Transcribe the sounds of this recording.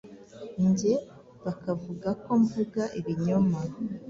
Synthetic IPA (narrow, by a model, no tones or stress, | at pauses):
ɲɟe̞ | βakavuɡako̞ɱvuɡaʔiβiɲoma